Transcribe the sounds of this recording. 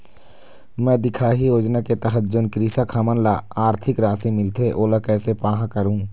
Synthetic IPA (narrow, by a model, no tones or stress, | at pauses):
mɛ̃ːd̪ɪkʰaːɦijoːd͡ʒnaket̪əɦəd͡ʒːʊnkɾisakʰamənlaaːɾt̪ʰɪkɾaːsimɪlt̪ʰeʔoːləkɛːsepaːɦãkəɾũː